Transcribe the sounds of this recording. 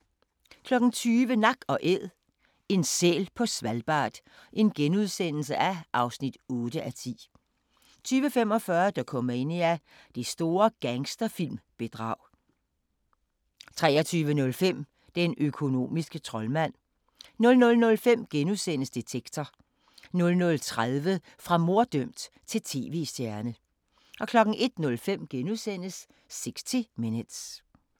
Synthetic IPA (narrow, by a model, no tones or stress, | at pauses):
kʰlɒ̽ɡ̥n̩t͡sʰyːʋənɑ̈ɡ̥ɒ̽ʔeð̰ˠ | e̝nsḛːlpʰɒ̽sʋælb̥ɑ̰̈ːd̥ | ʔe̝nɡ̥enuðˠsen̰l̩səʔæʔɑ̈ʊsnid̥ɔːd̥əʔæt͡sʰḭː | t͡sʰyːʋəfem̰ɒ̽fɶːɐd̥ɑkʰɒ̽mɐe̝n̰iæ | d̥e̝sd̥o̝ːɐɡ̥æŋsd̥ɐfil̰mb̥e̝d̥ʁɑ̰̈ʊ̰ | t͡sʰʁɛ̰ːɒt͡sʰyːʋənɔ̽lfem̰ | d̥enʔøkʰo̝no̝̰ːmisɡ̥ət͡sʰʁɒ̽lmæn̰ | nɔ̽lnɔ̽lnɔ̽lfem̰ɡ̥enusen̰əsd̥et͡sʰeɡ̥t͡sʰɐ | nɔ̽lnɔ̽lt͡sʰʁaðˠʋə | fʁɑ̈mo̝ɐ̰d̥øm̰d̥ | t͡sʰe̝lt͡sʰe̝ːʋe̝ːsd̥jæɐnə | ʔɒ̽kʰlɒ̽ɡ̥n̩ʔe̝d̥nɔ̽lfem̰ɡ̥enusen̰əsː | eɡ̥st͡sʰimenəd̥s